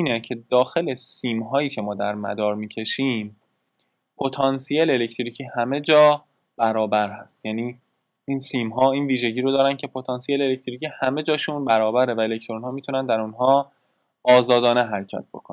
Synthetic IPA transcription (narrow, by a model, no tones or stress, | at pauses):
iːnecʰe̞d̪ɒːxe̞lesiːmɦɒːjiːcʰe̞mɒːd̪æɾmæ̰d̪ɒːɾmiːcʰe̞ʃiːm | pʰo̞t̪ʰɒːnsijeleelect̪ʰɾicʰiːhæme̞d͡ʒɒː | b̥æɾɒːbæɾhæst̪jæːniː | iːnsiːmɦɒːiːnviːʒe̞ɟiːɾod̪ɒːɾæn̚cʰe̞pʰot̪ʰɒːnsieleelec̚ʰt̪ʰɾicʰiːhæme̞d͡ʒɒːʃunbæɾɒːbæɾevæelect̪ʰɾonhɒːmit̪ʰunænd̪æɾunɦɒː | ɒːzɒːd̪ɒːneɦæɾecʰæ̰t̪̚b̥o̞̰kʰon